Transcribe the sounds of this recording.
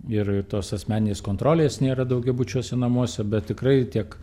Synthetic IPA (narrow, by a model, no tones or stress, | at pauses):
ɪrt̪oːsɐsʲmʲæːnʲnʲeːskoːnt̪ɾoːlʲeːsnʲeːɾɐd̪ɐʊɡʲɛbut͡ʃʲuɔsʲɛnɐmuɔsʲɛbʲɛt̪ʲtʲɪkrɐɪt̪ʲiɛk